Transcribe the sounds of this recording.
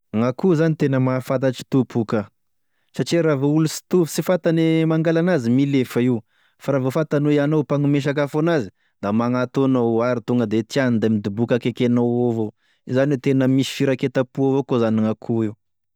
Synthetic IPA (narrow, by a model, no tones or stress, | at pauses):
ŋakuzanit̪enəmafat̪̬aʈ͡ʂi̥t̪upʰuka | saʈ͡ʂiɾavoulusi̥t̪upu̥sifat̪anemaŋɡalanazimilefəiw | faɾavofat̪anuianowpaŋumeʃ̬ak̬afonazi̥ | d̪amaŋat̪onoaɾit̪uŋɡəd̪et̪ianind̪emid̪ubukakekenoovo | izanet̪enəmisi̥fiɾaket̪apuavokozaniŋakʰuiw